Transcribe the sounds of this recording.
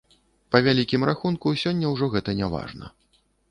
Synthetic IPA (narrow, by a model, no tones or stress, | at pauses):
pɐvʲalʲikʲimraxunkusʲɔnʲːɐwʐɔɣɛt̪ɐnʲava̰ʐnɐ̰